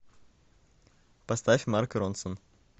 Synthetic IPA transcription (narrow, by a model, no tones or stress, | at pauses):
pɐst̪afʲmarkɾɔnsən